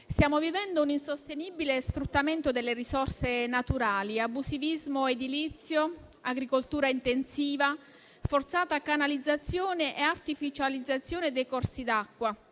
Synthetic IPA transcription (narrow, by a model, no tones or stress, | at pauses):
st̪jaːmovivɛnd̪ouninsost̪enibilesfɾut̪ːament̪od̪elːerisɔrsenat̪uɾaːliabusivizmoed̪ilit̪sːjoaɡɾikolt̪uːɾaint̪ensiːva | fort̪saːt̪akanalid̪zːat̪sːjoːneʔeart̪ifit͡ʃalid̪zːat̪sːjoːned̪ejkɔrsid̪akːwa